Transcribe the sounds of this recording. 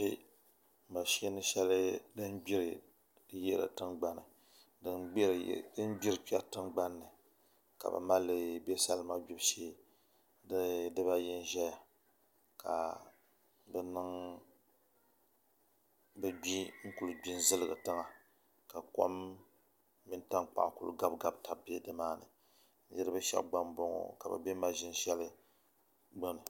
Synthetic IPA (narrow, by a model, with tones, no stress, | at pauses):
e˦ | m̩˨ba˨ʃe˦nɨ˦ʃɛ˦lɨ˦dɨ˦nɡ͡bi˦ɾɨ˨˦ | jɛ˦ɾɨ̰˨tɨ˦ŋɡ͡ba˦nɨ˨ | dɨ˦nɡ͡bɾ̰dɨ˦n˦ɡ͡bi˦ɾɨ˨k͡pɛ˦tɨ˦ŋɡ͡ba˦nːɨ˨ | ka̰˨bɨ̰˨ma˦lːɨ˦be˦sa˦lma˦ɡ͡bi˦bʃe˦ | dɨ˦dɨ˦ba˦ji˦n˦ʒɛ˦ja˨ | ka̰˨ | bɛ˦nɨ˦ŋ | bɨ˦ɡ͡bi˦ŋ̩˦ku˦lɨ˦ɡ͡bi˦n˦zɨ˦lɨ˦ɡɨ̰˨tɨ˦ŋa˨ | ka˨ko̰˦mː | i˦n˦ta˦ŋk͡pa̰˨ŋkṵ˦lɡa˦bɡa˦˨bta˨bbe˦dɨ˦maː˦nɨ̰˨ | n̩˦jɛ˦ɾɨ˦bɨ˦ʃɛ̰˦bɡ͡ba˦nbo˦ŋo̰˨ka˨bɨ̰˨be˦ma˦ʒɪ˦nʒɛ˦lɨ˦ | ɡ͡bo˦nɨ˨